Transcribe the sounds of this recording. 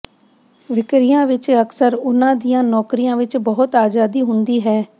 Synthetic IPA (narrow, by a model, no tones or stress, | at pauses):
ʋɪkɾijãːʋɪt͡ʃəksəɾʊnãːd̪ijãːnɔːkɾijãːʋɪt͡ʃbɔɦʊt̪aːd͡ʒaːd̪iːɦʊnd̪iːɦɛː